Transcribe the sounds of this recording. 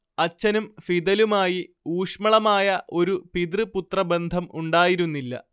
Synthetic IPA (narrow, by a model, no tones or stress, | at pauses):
ɐt͡ɕːɐnumfiðɐlumaːji | uːʂmɐɭɐmaːjɐʔo̞ɾupid̪rɨput̪rɐbe̞nd̪ʱɐmuɳɖaːjiɾunːilːɐ̰